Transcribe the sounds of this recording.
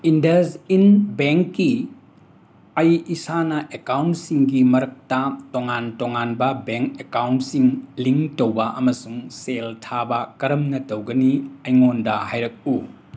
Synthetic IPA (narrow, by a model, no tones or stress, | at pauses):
indɐzinbeŋkːi | ɐjisanɐʔekawntsiŋɡimɐɾɐk̚tɐtoŋantoŋanbɐbeŋkekawntsiŋliŋtowbɐʔɐmɐsuŋseltʰabɐkɐɾɐmnɐtowɡɐniɐjŋondɐhajɾɐk̚u